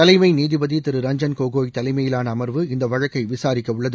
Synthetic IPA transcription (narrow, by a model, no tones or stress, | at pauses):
t̪ɐlɐɪmɐɪniːðɪbɐðit̪ɪɾɯɾɐɲd͡ʒɐnkoːɣoːjt̪ɐlɐɪmɐjɪlaːnɐːmɐɾʋɯɪnd̪ɐʋɐɻɐkːɐɪʋɪsaːɾɪkːɐʊɭːɐðɯ